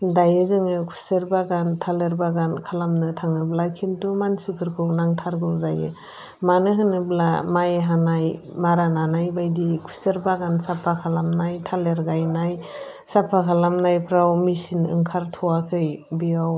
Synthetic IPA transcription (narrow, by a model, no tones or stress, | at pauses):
dajɯzɯŋɯkʰu̥seɾbaɡantʰaleɾbaɡankʰalamnɯtʰaŋɯblakʰintumansukʰɯɾkʰɯwnaŋtʰaɾɡɯwzajɯ̰ | manɯɦɯnɯblamajɦanajmaɾananajbajdikʰu̥seɾbaɡansapʰakʰalamnajtʰaleɾɡajnaj | sapʰakʰalamnajpʰɾawmisinɯ̰ŋkʰaɾtʰɔwakʰɯjbijaw